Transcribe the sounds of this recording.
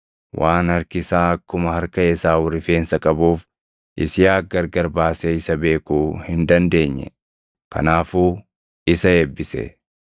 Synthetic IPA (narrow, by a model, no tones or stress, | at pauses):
wʔaːnhɐɾkɪsaːɐkːʊmɐhɐɾkɐɛsaːwʊɾɪfeːnsɐkʼɐbuːf | ʔɪsɪjaːɡɐɾɡɐɾbaːseɪsɐbe̞ːkuːhɪnd̪ɐnd̪e̞ːɲːɛ̰ | kɐ̰naːfuː | ɪsɐeːbːɪsɛ̰